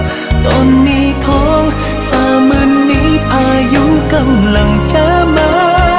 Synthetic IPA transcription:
t̪o˧˩nːiː˦˥t̪ʰɔː˦˥ŋ | faː˧mɯ˧nːiː˦˥pʰaː˧ju˦˥ka˧mla˨˧˩ŋt͡ɕʰaː˧˥maː˧˦

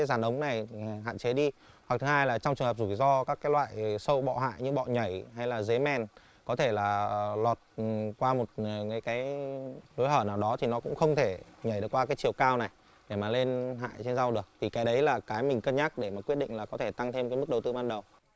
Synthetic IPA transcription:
jzaː˧˩nʔə˨˦wŋ͡mna˨˩jɦa̰ː˧˨t͡ɕe˨˦ɗi˧ | hwa˨˩k̚t̪ʰhaː˧jlaː˨˩t͡ɕɔ˧ŋ͡mt͡ɕəŋə˨˩p̚zu˧˩jzɔ˧kaː˦˥kːaː˨˦jlwa̰ː˧˨jsə˧wɓɔ̰˧˨ɦa̰ː˧˨jɲɨ˧ɓɔ̰˧˨ɲə˧˩jɦa˧jlaː˨˩ze˨˦mɛ˧˩n | kɔ˨˦t̪ʰe˧˩laː˨˩lɔ˨˩t̚kwaː˧mo˨˩t̚ŋaː˨˦jkaː˨˦jɗo˨˦jhəː˧˩naː˨˩wɗɔ˨˦t̪ʰi˨˩nɔ˨˦kʊ̰˧˥ŋ͡mxə˧wŋ͡mt̪ʰe˧˩ɲa˧˩jɗɨ˨˩kwaː˧kaː˨˦jt͡ɕi˨˩əwkaː˧wna˨˩j | ɗe˧˩maː˨˩le˧nɦa̰ː˧˨jt͡ɕe˧nza˧wɗɨ˨˩ək̚t̪ʰi˨˩kaː˨˦jɗə˨˦jlaː˨˩kaː˨˦jmï˨˩ŋ̟kə˧nɲaː˦˥k̚ɗe˧˩maː˨˩kwi˦˥ət̚ɗḭ˧˨ŋ̟laː˨˩kɔ˨˦t̪ʰe˧˩t̪a˧ŋt̪ʰe˧mkaː˨˦jmɨ˦˥k̚ɗə˨˩wt̪ɨ˧ɓaː˧nɗə˨˩w

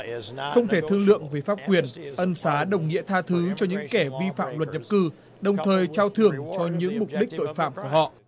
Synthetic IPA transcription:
xə˧wŋ͡mt̪ʰe˧˩t̪ʰɨ˧əŋlɨ̰˧˨əŋveː˨˦faː˦˥p̚kwi˧˩ənʔə˧nsaː˨˦ɗə˨˩wŋ͡mŋḭ˧˥ət̪ʰaː˧t̪ʰɨ˨˦t͡ɕɔ˧ɲɨ̰˧˥ŋkɛ˧˩vi˧fa̰ː˧˨mlwə˨˩t̚ɲə˨˩p̚kɨ˧ | ɗə˨˩wŋ͡mt̪ʰəː˨˩jt͡ɕaː˧wt̪ʰɨ˧˩əŋt͡ɕɔ˧ɲɨ̰˧˥ŋmʊ˨˩k͡p̚ɗï˦˥k̟̚t̪o̰˧˨jfa̰ː˧˨mku˧˩əhɔ̰˧˨

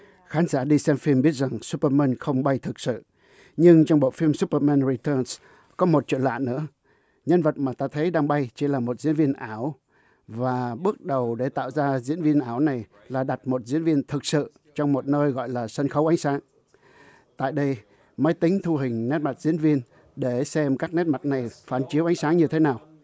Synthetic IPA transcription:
xaː˨˦nzaː˧˩ɗi˧sɛ˧mfi˧əmɓi˦˥ət̚za˨˩ŋsu˦˥pːə˧mɛː˧nxə˧wŋ͡mɓa˧jt̪ʰɨ˨˩k̚sɨ̰˧˨ | ɲɨ˧ŋt͡ɕɔ˧wŋ͡mɓo̰˧˨fi˧əmsu˦˥pə˧maː˧nɹi˨˩t̪əː˧ns | kɔ˨˦mo˨˩t̚t͡ɕḭ˧˨nla̰ː˧˨nɨ̰˧˥ə | ɲə˧nvə˨˩t̚maː˨˩t̪aː˧t̪ʰə˨˦jɗaː˧ŋɓa˧jt͡ɕi˨˧˩laː˨˩mo˨˩t̚zḭ˧˥ənvi˧ənʔaː˧˩w | vaː˨˩ɓɨ˦˥ək̚ɗə˨˩wɗe˧˩t̪a̰ː˧˨wzaː˧zḭ˧˥ənvi˧ənʔaː˧˩wna˨˩j | laː˨˩ɗa˨˩t̚mo˨˩t̚zḭ˧˥ənvi˧ənt̪ʰɨ˨˩k̚sɨ̰˧˨ | t͡ɕɔ˧wŋ͡mmo˨˩t̚nəː˧jɣɔ̰˧˨jlaː˨˩sə˧nxə˨˦wʔa˨˦jŋ̟saː˨˦ŋ | t̪a̰ː˧˨jɗə˧j | mə˨˦jt̪ï˨˦ŋ̟t̪ʰu˧ɦï˨˩ŋ̟ne˦˥t̚ma˨˩t̚zḭ˧˥ənvi˧ən | ɗe˧˩sɛ˧mkaː˦˥k̚ne˦˥t̚ma˨˩t̚na˨˩jfaː˨˩nt͡ɕi˨˦əʔa˨˦jŋ̟saː˨˦ŋɲɨ˧t̪ʰe˨˦naː˨˩w

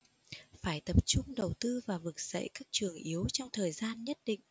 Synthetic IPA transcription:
faː˧˩jt̪ə˨˩p̚t͡ɕʊ˧ŋ͡mɗə˨˩wt̪ɨ˧vaː˨˩vɨ˨˩k̚z̥ə̰˧˨jkaː˦˥k̚t͡ɕɨ˨˩əŋʔi˨˦wt͡ɕɔ˧wŋ͡mt̪ʰəː˨˩jzaː˧nɲə˦˥t̚ɗḭ˧˨ŋ̟

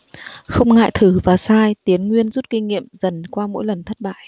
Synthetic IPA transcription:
xə˧wŋ͡mŋa̰ː˧˨jt̪ʰɨ˧˩vaː˨˩saː˧jt̪i˨˦ənŋwi˧ənzu˦˥t̚kï˧ŋŋḭ˧˨əmzə˨˩nkwaː˧mo̰˧˥jlə˨˩nt̪ʰə˦˥t̚ɓa̰ː˧˨j

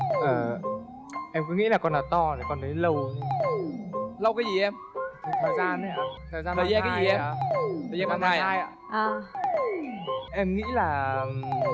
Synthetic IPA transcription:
ʔəː˨˩ | ʔɛ˧mkɔ̰˧˨˦ŋḭ˧˥laː˨˩kɔ˧nʔa˨˦t̪ɔ˧ne˨˩kɔ˧nt̪ʰə˨˦jlə˧w | lə˧wkaː˨˦jzi˨˩ʔɛ˧m˨˩ | t̪ʰə˨˩t̪ʰəː˨˩jzaː˧nː˨˩˧t̪ʰəː˨˩jzaː˧əː˨˩zaː˧kaː˨˦zi˨˩ʔɛ˧˨t̪ə˨˩jmɓaː˨˩ŋaː˧˩ja˧aː˧jʔaː˨ʔaː˨˩ | ʔɛ˧mŋḭ˧˥laː˨˩

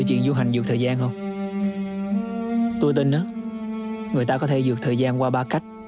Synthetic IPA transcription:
wt͡ɕwḭ˧˨ənzu˧ɦa˨˩jŋ̟zɨ˨˩ət̪ʰəː˨˩zaː˧nhə˧wŋ͡m | t̪u˧jt̪ï˧˩nʔaː˨˦ | ŋɨ˨˩əjt̪aː˧kɔ˨˦t̪ʰe˧˩zɨ˨˩ək̚t̪ʰəː˨˩jzaː˧nkwaː˧ɓaː˧ka˦˥jk̟̚

